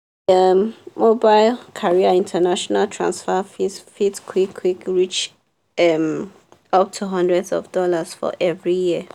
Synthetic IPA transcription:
ɛmmobaɪlkʰaɹiaĩntʰənaʃɔnaltʰɹã̰nsfəfifitkʰwikʰwikɹit͡ʃ | ɛm | ʌp̚tʰuɦʌ̃ndɹɛdzɔ̰vdɔlasfɔ̰ʔɛvɹijiə

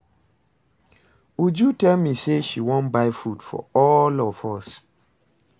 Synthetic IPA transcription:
wud͡ʒjutɛlmiseʃiwɔ̃nbaɪfudfɔ̰ɔlɔvɔs

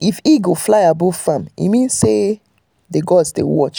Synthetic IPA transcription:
ifiɡoflaɪabufãmḭmĩnse | deɡɔsdḛwɔt͡ʃ

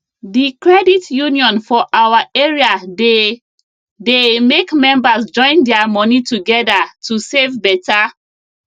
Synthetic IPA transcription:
dikɹɛditjuniɔ̃nfɔʔawaʔeɹiade | demekmɛ̃mbasd͡ʒɔ̃ɪ̃ndɛamɔnituɡɛdatʰusevbɛta

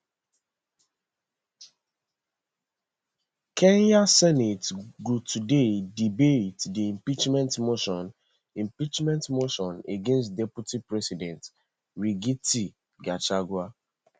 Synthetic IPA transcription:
kʰenjasɛnitɡutʰudedibetdiĩmpit͡ʃmɛ̃ntmoʃɔ̃n | ĩmpit͡ʃmɛ̃ntmoʃɔ̃neɡẽnst̚dɛputipɹɛsidɛ̃nt | ɾiɡiti | ɡat͡ʃaɡwa

